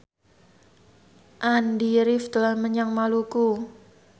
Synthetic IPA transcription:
ʔandiɾɪft̪əlahməɲaŋmaluku

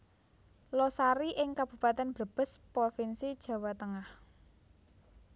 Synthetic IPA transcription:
lɔsaɾiʔɪŋkab̥ṳpat̪ɛnb̥ɾə̤b̥ə̤spɾofinsid̥ʒ̥ä̤wat̪əŋah

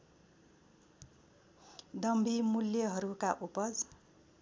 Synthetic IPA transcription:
d̪ʌmbʱimuljʌɦʌɾukaʔupʌd͡z

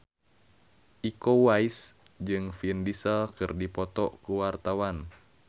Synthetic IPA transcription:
ʔikowais | d͡ʒɨŋfindisəlkɨrdipɔt̪ɔkuwart̪awan

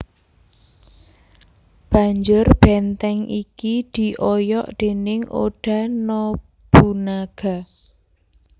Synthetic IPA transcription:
b̥a̤ɲd͡ʒʊrb̥ɛnt̪ɛŋʔikid̪̥i̤ʔɔjɔʔd̪̥e̤nɪŋo̰ɖ̥ä̤nɔ | b̥unaɡ̥a̤

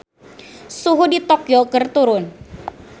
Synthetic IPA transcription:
suɦudit̪ɔkjokərt̪uɾʊn

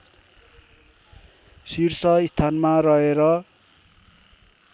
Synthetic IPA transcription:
sirsʌist̪ʰanmarʌɦeɾʌ

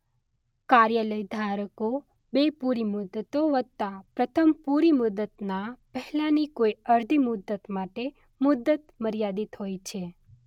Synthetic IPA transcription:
kaɾjələjd̪ʱaɾəko | bepuɾimʊd̪ət̪oʋəd̪̚t̪apɾət̪ʰəmpuɾimʊd̪ət̪napɛɦlanikoiəɾd̪ʱimʊd̪ːət̪maʈe | mʊd̪ət̪məɾjad̪it̪ɦojt͡ʃʰe

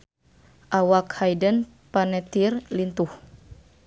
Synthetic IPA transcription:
ʔawakhajdən | panɛt̪irlint̪uh

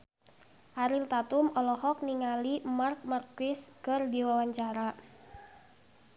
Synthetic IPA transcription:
ʔaɾilt̪at̪umɔlɔhɔk̚niŋalimark̚markɪskɨrdiwawaɲt͡ʃaɾa

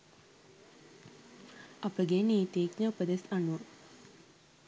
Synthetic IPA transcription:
ɐpəɡeniːt̪eːknəupəd̪esɐnuʋə

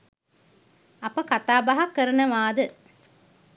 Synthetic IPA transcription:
ɐpɐkat̪aːbɐɦɐkːəɾɐnɐʋaːd̪ɨ

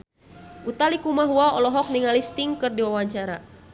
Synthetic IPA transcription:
ʔut̪alikumaɦuaɔlɔɦɔk̚niŋalist̪iŋkɨrdiwawaɲt͡ʃaɾa

